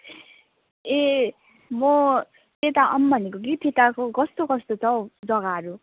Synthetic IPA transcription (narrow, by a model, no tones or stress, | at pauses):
e | mʌ | t̪et̪aʔʌ̰mbʱʌnekoɡit̪ʰit̪akoɡʌst̪okʌst̪ot͡sʰʌwd͡zʌɡaɦʌɾu